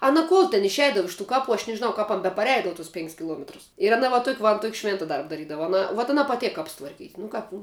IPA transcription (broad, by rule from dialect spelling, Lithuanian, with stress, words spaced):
ˈɑːnɐ ˈkuɔlˠ tʲɛn ɪʃʲˈɛɪdɐʋɐ ˈɪʃ tuː ˈkɑːˌpuː ɐʃ nʲɛʒʲɪˈnɐʊ ˈkɐp ɐn bʲɛpɐˈrʲɛɪdɐʋʊ tʊs ˈpʲɪŋʲkʲsʲ kʲɪˈlˠuɔmʲɛtrʊs ɪr ɐˈnɐ ʋɐ ˈtuɔkʲ ʋɐ ɐn ˈtuɔkʲ ˈʃʲʋʲeːntɐ ˈdɐrp dɐˈrʲiːdɐʋɐ ɐˈnɐ ʋuɔt ɐˈnɐ pɐˈtʲeːk ˈkɐps tʋɐrʲˈkʲiːtʲ nʊ ˈkɐp nʊ